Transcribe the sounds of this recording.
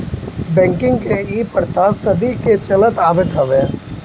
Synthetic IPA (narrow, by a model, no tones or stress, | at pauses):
bɛ̃ːŋkɪ̃ŋɡkeiːpəɾt̪asɐd̪iket͡ʃɐlət̪aːbet̪ɦɐʋeː